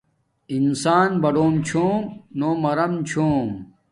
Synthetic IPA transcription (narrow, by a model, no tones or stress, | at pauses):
insaːnbɐɖoːmt͡ɕʰoːmnoːmɐɾɐmt͡ɕʰoːm